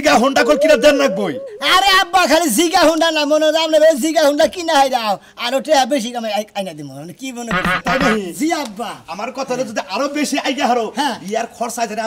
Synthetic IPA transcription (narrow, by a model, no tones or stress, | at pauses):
ɡaɦuɳɖakolkinad̪ɛnːak̚boj | aɾeabːakʰaliziɡaɦuɳɖanamonɔɾamnebeziɡaɦuɳɖakinaɦajɾaaw | aɾoʈeɦabeʃ̬ikamaaajnad̪imo̰amnekibɔnekɔɾt̪at̪ajnaɦiziabːaamaɾkɔt̪ʰaɾed͡ʒod̪iʔaɾobeʃiajɡaɦaɾoɦɛ̃iaɾkʰɔɾsajd͡ʒan